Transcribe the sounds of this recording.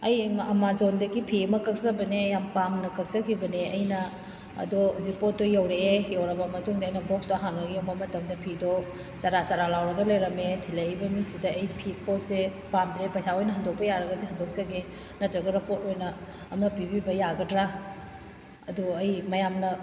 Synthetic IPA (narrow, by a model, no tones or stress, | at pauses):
ɐjɐmazondɐɡipʰiɐmɐkɐk̚sɐbɐneɐjampamnɐkɐk̚sɐkʰibɐneɐjnɐ̰ː | dozipot̚dojɐwɾeejɐwɾɐbɐmɐtuŋdɐɐjnɐbɔksdoɦaŋɐɡiɐmɐmɐtɐmdɐpʰidɔ | t͡ʃaɾat͡ʃaɾalawɾɐɡɐlajɾɐmetʰilajijbɐmisidɐːjpʰipot̚se | pamdɾepɐjsaojnɐɦɐndok̚pɐjaɾɐɡɐdiɦɐndok̚zɐɡe | nɐtɾɐɡɐɾɐpotojnɐː | mɐpibibɐjaɡɐdɾa | ɐduɐjmɐjamnɐ